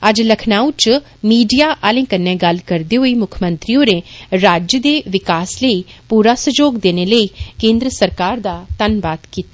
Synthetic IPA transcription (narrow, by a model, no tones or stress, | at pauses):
əd͡ʒləkʰnaːut͡ʃ | miːɖijaːʔaːlẽːkənːɛ̃ːɡəlkəɾd̪eːɦoːiːmʊkʰmə̃nt̪ɾiõːɾeːɾaːd͡ʒjəd̪eːʋɪkaːsləiːpuːɾaːsəd͡ʒoːɡd̪eːneːləiːkẽːnd̪ɾəsəɾkaːɾd̪aːt̪ənbaːt̪kiːt̪a